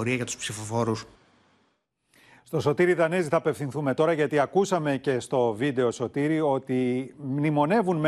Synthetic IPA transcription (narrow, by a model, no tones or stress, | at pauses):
ɾiɐʝɐt̪u̥spsifofo̞ɾus | st̪o̞so̞t̪iɾiðɐneziθɐːpe̞fθinθume̞t̪o̞ɾɐʝɐt̪iɐkusɐme̞ce̞st̪o̞vid̪e̞o̞so̞t̪iɾio̞t̪imnimo̞ne̞vunm